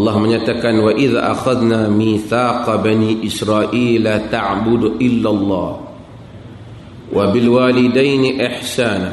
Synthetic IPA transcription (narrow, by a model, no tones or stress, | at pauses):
ʔlˤːɑhməɲaːt̪akanwaʔɪða̰ːʔa̰xaðnaːmiːθaːqɑbaniːʔɪsɾaːʔiːlat̪aʕbʊd̪ʔɪlːalˤːɑːh | wʔabɪlwaːlɪd̪ajnɪʔɪħsaːna